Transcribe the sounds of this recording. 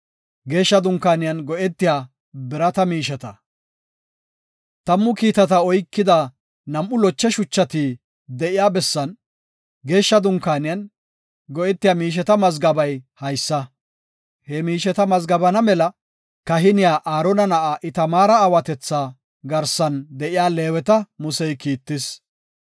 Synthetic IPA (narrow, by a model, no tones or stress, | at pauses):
ɡe̞ːʃːɐd̪ʊŋkːaːnɪjɐnɡɔʔɛt̪ːɪjaː | bɪɾɐt̪ɐmiːʃɛt̪ɐ | t̪ɐmːʊkiːt̪ɐt̪ɐɔjkːɪd̪a | nɐmʔʊlɔt͡ʃːɛʃʊt͡ʃːɐt̪i | d̪ɛʔɪjaːbɛsːɐn | ɡe̞ːʃːɐd̪ʊŋkaːnɪjɐn | ɡɔʔɛt̪ːɪjamiːʃ̬ɛt̪ɐmɐzɡɐbɐjhɐjsːɐ | hɛmiːʃɛt̪ɐmɐzɡɐbɐnɐmɛlɐ | kɐɦɪnɪjaːʔaːɾɔnɐnɐʔaʔɪt̪ɐmaːɾɐːwɐt̪ɛt͡sːaː | ɡɐɾsɐnd̪ɛʔɪjaːle̞ːwɛt̪ɐmʊsɛjkiːt̪ːɪs